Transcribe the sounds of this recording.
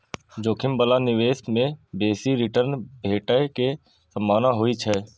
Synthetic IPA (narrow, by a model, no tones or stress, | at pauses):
d͡ʒoːkʰɪmbəlanɪʋeːsmẽbeːsiɾɪʈəɾnbʱeːʈəke | səmːaːnaɦʊit͡ʃʰɛː